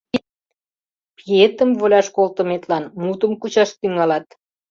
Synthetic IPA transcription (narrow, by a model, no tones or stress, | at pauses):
piet̪əmvolʲɑʃkolt̪ə̆met̪lɑnmut̪əmkut͡ɕɑʃt̪yŋɑlɑt̪